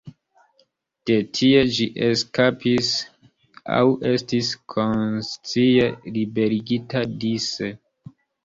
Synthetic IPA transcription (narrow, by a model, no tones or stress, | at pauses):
d̥e̞tʰie̞d͡ʒiʔeskapis | a̰wʔe̞stiskʰo̞nst͡sielibe̞ɾiɡitadise